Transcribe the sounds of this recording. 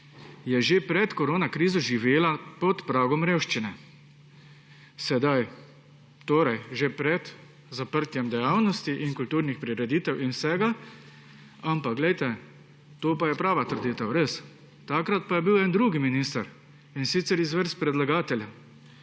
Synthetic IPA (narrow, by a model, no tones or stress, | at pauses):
jɛʒepɾɛt̪kɔɾoːnakɾiːzɔʒiʋeːlapɔt̪pɾaːɡɔmɾeːwʃt͡ʃinɛ | sɛd̪aj | t̪oːɾajʒepɾɛt̪ | zapəɾt̪jɛmd̪ɛjaːwnɔst̪iʔiŋkult̪uːɾnixpɾiɾɛd̪iːt̪ɛwʔinwsɛːɡa | ampaɡlɛjt̪ɛ | t̪oːpajɛpɾaːʋat̪əɾd̪it̪awɾes | t̪akɾat̪̚pajɛbiwɛːnd̪ɾuːɡiminist̪aɾ | insit̪sɛɾizʋəɾspɾɛd̪laɡaːt̪ɛlʲja